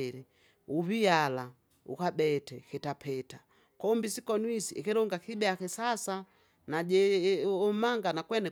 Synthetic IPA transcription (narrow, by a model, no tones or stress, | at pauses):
ɾɛ | uβiala | ṵkabɛtɛkɛtapɛta | kɔmbisikɔnwisiʔɛkɛɾɔŋɡakibɛakɛsasa | naɟɛɔmaŋɡanakwɛnɛ